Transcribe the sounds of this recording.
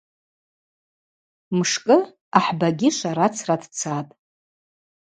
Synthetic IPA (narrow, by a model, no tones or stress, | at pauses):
mʂkʼɨ | aħbaɡʲɪʃʷaɾat͡sʰradʰt͡sʰatʼ